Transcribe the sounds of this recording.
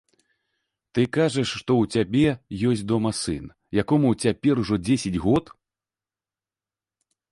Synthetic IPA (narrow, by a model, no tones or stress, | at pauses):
t̪ɨkaʐɐʂːt̪ɔwt͡sʲabʲɛjɔsʲd̪ɔmɐsɨn | jakɔmut͡sʲapʲɛruʐɔd͡zʲesʲad͡zʲɣɔt̪